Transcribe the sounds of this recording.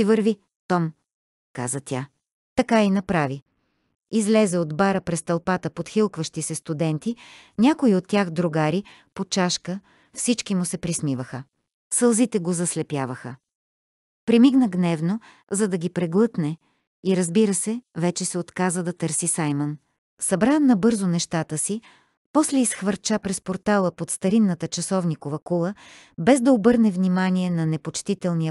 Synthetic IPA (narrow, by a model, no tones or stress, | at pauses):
ivəɾvi | t̪ɔm | ka̰zət̪ʲa | t̪ɐkainɐpɾavi | izlɛzɛod̪baɾəpɾɛst̪ɐlˠpat̪əpot̪xilˠkvəʃt̪isɛst̪ud̪ɛnt̪i | nʲakoiot̪ːjaxd̪ɾʊɡaɾi | pot͡ʃaʃkə | fsit͡ʃkimʊsɛpɾismivəxə | səlˠzit̪ɛɡozɐslɛpjavəxə | pɾimiɡnəɡnɛvno | zɐd̪ɐɡʲipɾɛɡlˠɤk̪nɛ | iɾɐzbiɾəsɛvɛt͡ʃɛsɛot̪kazəd̪ɐt̪ɤɾsisajmɐn | sɐbɾanːɐbɤɾzonɛʃt̪at̪əsi | pɔslɛisxvəɾt͡ʃapɾɛspoɾt̪alˠəpot̪st̪ɐɾinːət̪ət͡ʃɐsɔvnikovɐkulˠə | bɛzd̪ɐobɤɾnɛvnimaniɛnɐnɛpot͡ʃt̪it̪ɛlˠnijə